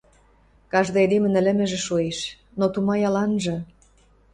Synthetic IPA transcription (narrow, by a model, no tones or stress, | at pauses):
kɑʒd̪ɤed̪emɘ̆nə̆lə̆mĕʒĕʃoeʃ | not̪umɑjɑlɑnʒɤ̆